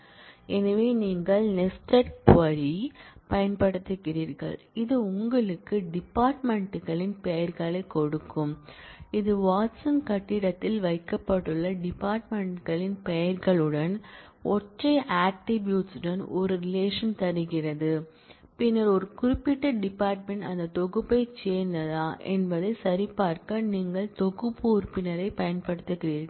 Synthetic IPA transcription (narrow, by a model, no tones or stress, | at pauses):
ɛnɐʋeːniːŋɡɐɭnɛsʈɐɾpɐɾipɐjɐnpɐɽɯt̪ːɯkːɪriːɾɣɐ̰ɭ | ɪðɯʊŋɡɐɭɯkːɯɖɪpːaːɾʈmɛɳʈɯɣɐɭɪnpɛjɐɾɣɐɭɐɪkɔɽɯkːɯmɪðɯʋaːʈsɐmkɐʈːɪɽɐt̪ːɪlʋɐɪkːɐpːɐʈːɯɭːɐɖɪpːaːɾʈmɛɳʈɣɐɭɪnpɛjɐɾɣɐɭɯɽɐn | ɔʈrɐɪʔaːk̚ʈɪbjuːʈsɯɽɐnɔɾɯɾɪleːʂɐnt̪ɐɾɯɣɪrɐðɯ | pɪnːɐɾɔɾɯkʊɾɪpːɪʈːɐɖɪpːaːɾʈmɛɳʈɐnd̪ɐt̪ɔɣɯpːɐɪt͡ʃeːɾnd̪ɐðaːʔɛ̰nbɐðɯsɐɾɪpːaːɾkɐniːŋɡɐɭt̪ɔɣɯpːuːɾpːɪnɐɾɐɪpɐjɐnpɐɽɯt̪ːɯkɪriːɾ